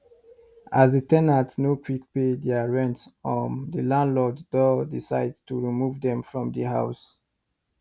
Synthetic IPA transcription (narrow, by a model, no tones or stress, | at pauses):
azdətɛnatsnokʰwikpedɛaɹɛ̃ntɔ̃ndəlãnlɔddɔdisaɪdtuɹimuvdɛ̃mfɹɔ̃mdəɦaʊs